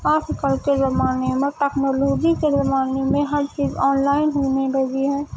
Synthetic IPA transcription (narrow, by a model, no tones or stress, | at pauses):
aːskəlkezɐmaːnemẽʈɛːknoːloːd͡ʒikezɐmaːnemẽɦɐɾt͡ʃiːzɔːnlaːɪnɦoːnebed͡ʒiɦɛ̃ː